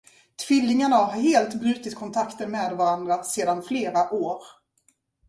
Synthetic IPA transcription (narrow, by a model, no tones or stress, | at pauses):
t̪ʰv̥ɪlːɪŋaɳaaaɾɦeːlt̪bɾʉ̟ːt̪ɪt̪̚kʰɔnt̪ʰakt̪ənmeːd̪vaɾand̪ɾaseːd̪anfleːɾaʔoːɾ